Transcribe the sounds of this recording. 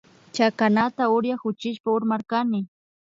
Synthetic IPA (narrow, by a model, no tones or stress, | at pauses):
t͡ʃakanat̪aʊɾjaxʊt͡ʃɪʃpaʊɾmaɾkanɪ